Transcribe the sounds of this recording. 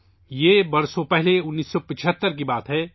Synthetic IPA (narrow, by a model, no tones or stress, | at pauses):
jeːbɐɾsõpɛɦleʊnːiːsːɔpɪt͡ʃʰət̪ːəɾk̬ibaːt̪ɦɛː